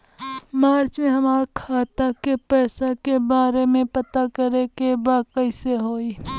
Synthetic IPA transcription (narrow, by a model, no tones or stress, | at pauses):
maːɾt͡ʃmẽɦɐmaːɾkʰaːt̪akepɛːsakebaːɾemẽpɐt̪akəɾekebaːkəiseɦoːiː